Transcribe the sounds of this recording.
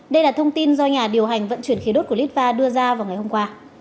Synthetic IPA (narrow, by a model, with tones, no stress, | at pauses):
ɗə˧jlaː˨˩t̪ʰə˧wŋ͡mt̪i˧nzɔ˧ɲaː˨˩ɗi˨˩əwɦa˨˩jŋ̟və̰˧˨nt͡ɕwənxi˨˦ɗo˦˥t̚kli˦˥t̚vaː˧ɗɨ˧əzaː˧vaː˨˩wŋa˨˩jho˧ŋ͡mkwaː˧